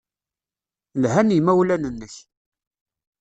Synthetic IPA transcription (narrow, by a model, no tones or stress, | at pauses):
lɦænimæwlænənːəç